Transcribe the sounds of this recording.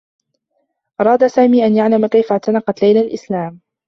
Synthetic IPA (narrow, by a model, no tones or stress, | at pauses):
ʔɑɾˤɑːd̪asaːmiːʔanjaʕlamakajfaʕt̪anɑqɑt̪lajlalʔɪslaːm